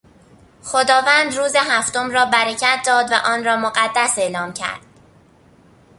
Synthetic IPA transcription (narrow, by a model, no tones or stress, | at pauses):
xod̪ɒːvæːnd̪ɾuːzeɦæft̪o̞mɾɒːbæɾecʰæt̪̚ʰd̪ɒːd̪væ̰ʔɒːnɾɒːmoɢæd̪ːæse̞lɒːmcʰæ̰ɾd̪̥̚